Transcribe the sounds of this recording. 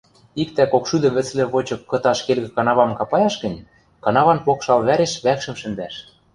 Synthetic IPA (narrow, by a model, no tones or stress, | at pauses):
ikt̪ækokʃyd̪ə̆mβɘ̆t͡slĕβot͡ɕɤ̆kːɤ̆t̪ɑʃkelɣɘ̆kɑnɑβɑmkɑpɑjɑʃɣə̆nʲ | kɑnɑβɑnpokʃɑlβæɾeʃβækʃɘ̆mʃɘ̆nd̪æʃ